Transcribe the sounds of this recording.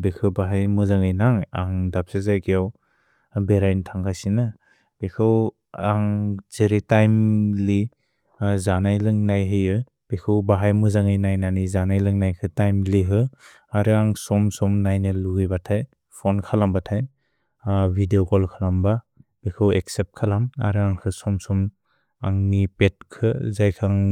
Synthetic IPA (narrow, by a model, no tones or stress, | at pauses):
bekʰɯwbaɦajmuzaŋɯjnaŋa̰ŋdap̚sazajkijaw | beɾajntʰaŋkʰajsinɯ | b̥ekʰɯw | aŋzeɾitajmli | zanajlɯŋnajɦɯjɯ | b̥ekʰɯwbaɦajmuzaŋɯjnajnanizanajlɯŋnajkʰɯtajmliɦɯ | aɾɯaŋsɔmsɔmnajnɯluɡijbatʰaj | pʰɔnkʰalambatʰaj | bʱideokɔlkʰalambab̥ekʰɯweksep̚kʰalama̰ɾɯaŋkʰɯsɔmsɔm | a̰ŋnipet̚kʰɯzajkʰaŋ